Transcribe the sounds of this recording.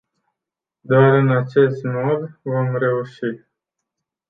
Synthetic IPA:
d̪oaɾɨnat͡ʃe̞st̪mod̪vo̞mre̞uʃi

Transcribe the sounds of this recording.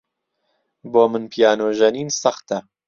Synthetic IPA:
boːmɨnpʰijaːnoʒɐniːnsɐxt̪ɐ

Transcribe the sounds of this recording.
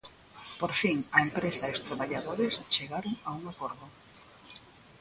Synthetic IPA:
poɾfiŋɐempɾesaeʊst̪ɾaβaʎaðoɾɪst͡ʃeɣaɾʊŋauŋakoɾðʊ

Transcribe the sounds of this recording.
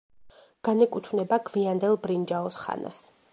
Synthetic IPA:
ɡ̥anɛkʼut̪ʰvnɛbaɡviand̪ɛlˠbɾind͡ʒaɔsχa̰na̰s

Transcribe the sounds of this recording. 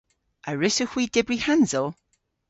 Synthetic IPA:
aɹɪsəxwiːdɛbrihanzɔlˠ

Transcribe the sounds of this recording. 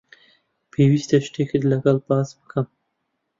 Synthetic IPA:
pʰewist̪aʃʈ̪eked̪əlaɡalpasməkʰam

